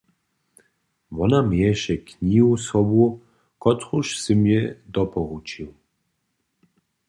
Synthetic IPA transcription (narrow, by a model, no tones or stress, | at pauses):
vɔnamjɛʃɛkɲiusɔbu | kɔt̪xuʃsɨmjɛd̪ɔpɔɣut͡ʃiw